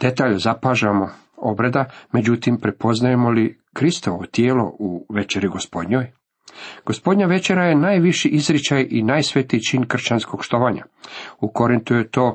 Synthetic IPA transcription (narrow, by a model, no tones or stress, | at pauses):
d̪̥e̞t̪aːʎozapaːʒamo̞ | obɾed̪ame̞d͡ʑut̪impɾepo̞znajemo̞li | kɾist̪oʋoot̪jeːlo̞̰uʋe̞t͡ʃeɾiɡospo̞d̪ɲoːj | ɡ̥ospo̞d̪ɲaʋe̞t͡ʃe̞ɾaje̞naːjʋiʃiʔizɾit͡ʃajʔinaːjsʋe̞t̪iːt͡ʃinkr̩t͡ʃansko̞ɡʃt̪o̞ʋaɲa̰uko̞ɾint̪ujet̪o̞ː